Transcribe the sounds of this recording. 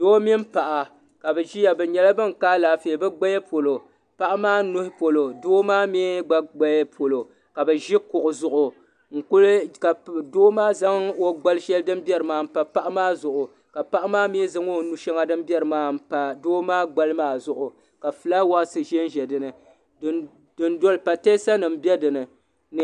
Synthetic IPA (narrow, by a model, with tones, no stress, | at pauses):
doː˦mi˦m̩˦pa˨ʔa˨ | ka˨bɛ˨ʒi˦ja˨bɛ˨ɲɛ˨la˦bɨ˦ŋ˨kaː˦laː˨fe˨bɛ˦ɡ͡ba˦jɛ˦pʰo˨lo˨ | pa˦ʔa˦maː˦nʊ˦hɪ˦po˨lo˨doː˦maː˦me˦ɡ͡ba˦ɡ͡ba˦jpʰo˨lo˨ | ka˨bɛ˨ʒi˦kʊ˨ʔʊ˨zʊ˨ʔʊ˨ | ŋ̩˨kʊ˦lka˨doː˦maː˦za˦ŋo˦ɡ͡ba˦lʃɛ˦ldɨ˦m˦bɛ˦ɾɨ˨maː˨m̩˦pa˨pa˦ʔa˦maː˦zʊ˨ʔʊ˨ | ka˨pa˦ʔa˦maː˦m˦e˦za˦ŋo˦nu˨ʃɛ˦ŋa˦dɨ˦m˦bi˦ɛ˦ɾɨ˨maː˦m̩˨pa˨doː˦maː˦ɡ͡ba˦lɨ˦maː˦˨zʊ˨ʔʊ˨ | ka˨fɨ˨la˦wa˦ʔsɨ˨ʒɛ˦n˦ʒɛ˨dɨ˨nɨ˨˦ | dɨ˨ndo˦lpa˨te˦sa˦nɨ˨m̩˦bjɛ˦dɨ˨nɨ˨ | n˨